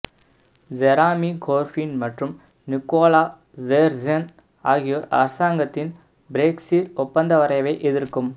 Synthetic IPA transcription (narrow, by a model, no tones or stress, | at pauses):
d͡ʒɛɾaːmikʰoːɾfinmɐʈrɯm | nɪkːoːlaː | zeːɾd͡ʒɐn | a̰ːɣɪjoːɾɐ̰ɾɐsaːŋɡɐt̪ːɪn | bɪɾeːksiːɾʊpːɐnd̪ɐʋɐɾɐɪʋɐɪʔɛðɪɾkːɯm